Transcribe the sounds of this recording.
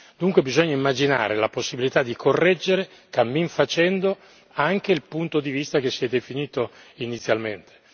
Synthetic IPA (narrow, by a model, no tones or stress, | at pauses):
d̪̥uŋkwebizoɲːaimːad͡ʒina̰ːɾelaposːibilit̪ad̪ːikʰorːɛd͡ʒːeɾe | kamːiɱfat͡ʃɛnd̪o | aŋk̟eilpunt̪od̪ivist̪ak̟esːiɛd̪efiniːt̪oinit̪sːjalment̪ʰe̥